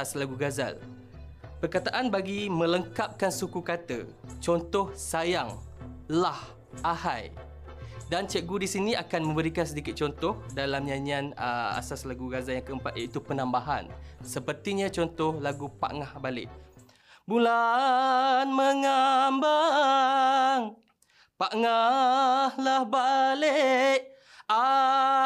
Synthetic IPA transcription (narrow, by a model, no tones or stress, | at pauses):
aslaɡuɡaza̰l | pərkat̪aʔanbaɡimə̃ləŋkap̚kansukukat̪ə̰t͡ʃɔnt̪ɔhsajaŋlah | ʔahaj | dant͡ʃəʔɡudisinĩakanmə̃mbəɾikansədikɪt̪̚t͡ʃɔnt̪ɔhdalamɲãɲianəa̰saslaɡuɡazaljaŋkəəmpat̪ait̪upənãmbaɦa̰nsəpərt̪iɲãt͡ʃɔnt̪ɔhlaɡupa̰ʔŋahbalɪ̰ʔ | bula | nməŋamba | ŋ | paʔŋa | hlahbaleʔ | a